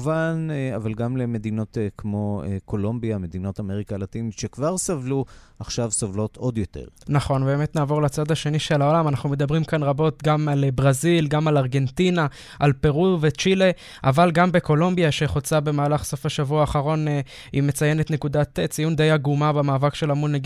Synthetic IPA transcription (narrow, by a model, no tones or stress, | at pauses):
vanavalɡamleme̞d̪ino̞tkmo̞eko̞lombiame̞d̪ino̞tameʁikalatinit̪ʃekvaʁsavluaχʃavsovlo̞t̪ʰo̞d̪jo̞t̪ḛʁnaχo̞nbe̞ːme̞t̪naːvo̞ʁlat͡sad̪aʃe̞niʃe̞lao̞lamanaχnume̞d̪abʁimkanʁabo̞t̪ɡamalbʁazilɡamalaʁɡe̞ntina | ʔalpe̞ʁuvet͡ʃile̞ | ʔavalɡambe̞ko̞lo̞mbiaʃe̞χo̞t͡sabe̞maːlaχso̞faʃavuaːχaʁo̞n | ime̞t͡saje̞ne̞t̪ne̞kud̪at̪et͡sijund̪e̞jaɡumabemaːvakʃe̞lamulneɡ